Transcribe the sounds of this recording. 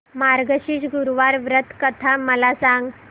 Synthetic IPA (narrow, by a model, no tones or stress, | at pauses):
maɾɡəɕiːɕɡuɾʋaɾʋɾət̪ʰkət̪ʰaməlasãŋɡ